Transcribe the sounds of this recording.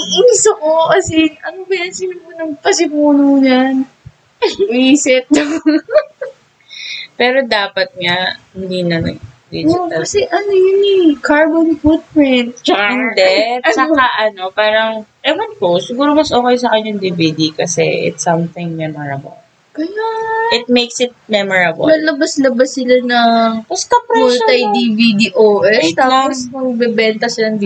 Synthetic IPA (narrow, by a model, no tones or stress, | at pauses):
iʔiːsokokɐsɪʔɐnobɐjɐnsɪmɪnmʊnɐŋpɐsɪmuːnuɲan | ʔiːsɪt̪̚ | pɛːɾo̞d̪aːpɐt̪̚ŋɐhɪnd̪inɐnɐ̰ɡd̪id͡ʒoɐkɐsɛʔɐnojʊnikaɹbonfut̪̚pɹɪnt̪̚t͡ʃɐnd̪ɛtsɐkaʔɐno̞paːɾɐŋʔɛmɐnposɪɡuːɾomɐsʔoːkɐjsɐkɐnjʊŋd̪ivid̪ikɐsɛ̰ʔɪ̰t̪sɐmθɪ̃ŋmɛmoɹɐbɐ̰l | kɐjaɪt̪̚mejksɪt̪̚mɛmoɹɐb̰nɐlɐbaslɐbasːɪlanɐŋŋbɐst̪ɐpɾmʊlt̪ɐjd̪ivid̪iʔoːʔɛst̪aːpːosmɐɡ̚bɛbɛnt̪ɐsɪlad̪iː